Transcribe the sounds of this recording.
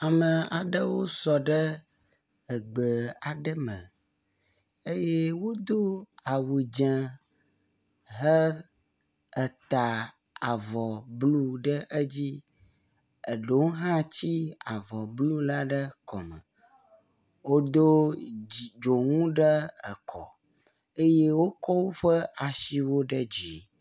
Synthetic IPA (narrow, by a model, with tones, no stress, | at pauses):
a˨mə˨a˨ɖə˦wo˦sɔ˨ɖə˦ | ə˨ɡ͡bə˨a˨ɖə˦mə̃˨ | ə˦je˦wo˦d̪o˦a˨wu˨d͡ʒɛ̃˨ | ɦə˦ | ə˨t̪a˨ | a˨vɔ˨blu˦ɖə˦ʔə˦d͡ʑi˦ | ə˨ɖo˨˦wɦã˦t͡ɕi˦a˨vɔ˨blu˦la˦ɖə˦kɔ˨mə̰̃˨ | wo˦d̪o˦˨ | d͡ʒo˨ŋũ˦ɖə˦ə˨kʰɔ˨ | e˦je˦wo˦kɔ˦wo˦ɸə˦a˨ʃi˦wo˦ɖə˦d͡ʒi˨